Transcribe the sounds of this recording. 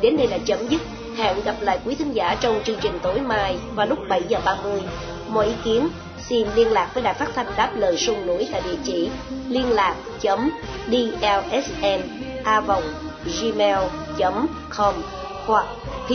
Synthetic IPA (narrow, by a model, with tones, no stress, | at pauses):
ɗe˨˦nɗə˧jɗa̰ː˧˥t͡ɕə˨˦mzɨ˦˥t̚ | ha̰ː˧˨nɣa˨˩p̚la̰ː˧˨jkwi˨˦t̪ʰï˨˦ŋ̟za̰ː˧˩t͡ɕɔ˧wŋ͡mt͡ɕɨ˧əŋt͡ɕï˨˩ŋ̟t̪o˨˦jmaː˧jvaː˨˩lʊ˦˥k͡p̚ɓə˧˩jzəː˨˩ɓaː˧mɨ˧əj | mɔ̰˧˨jʔi˨˦ki˨˦ən | si˧nli˧ənlaː˨˩k̚vəː˨˦jɗaː˧˨˩jfaː˦˥t̚t̪ʰa˧jŋ̟ɗaː˦˥p̚ləː˨˩jsʊ˧ŋnṵ˧˩əjt̪a̰ː˧˨jɗḭ˧˩ət͡ɕḭ˧˨ | li˧ənlaː˨˩k̚t͡ɕə˨˦m | ɗi˧ʔɛ˧lʔɛ˦˥sʔɛ˧n | ʔaː˧və˨˩wŋ͡m | zi˧mɛ˧l | t͡ɕə˨˦m | kɔ˧m | hwa˨˩k̚ʰ